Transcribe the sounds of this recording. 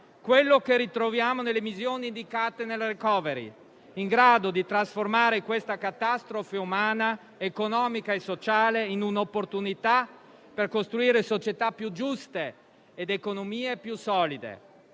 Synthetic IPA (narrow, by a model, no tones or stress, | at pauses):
kwelːokerːit̪ɾovjaːmonelːemizjoːniːnd̪ikaːt̪enelrekɔːveɾḭ | iŋɡɾaːd̪od̪it̪ɾasformaːɾekwest̪akat̪ast̪ɾofeumaːna | ekonɔːmikaesːot͡ʃaːleinunaopːort̪unit̪a | perkost̪ɾuiːɾesot͡ʃet̪apːjud͡ʒust̪eː | d̪ekonomiːepjusɔːlid̪ḛ